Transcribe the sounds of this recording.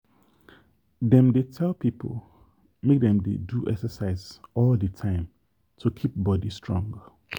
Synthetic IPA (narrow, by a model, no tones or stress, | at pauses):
dɛ̃mdetʰɛlpipʰo̰l | mek̚dɛ̃mdḛduʔɛ̰ksəsaɪzɔldətʰãɪ̃m | tʰukʰip̚bɔdistʰɹ̥ɔ̰̃ŋɡ